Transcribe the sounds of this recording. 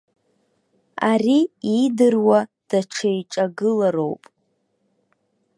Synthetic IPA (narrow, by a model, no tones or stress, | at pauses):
ariidɨrwa | d̥aʈ͡ʂʰajʈ͡ʂʼaɡɨlaɾo̞wpʼ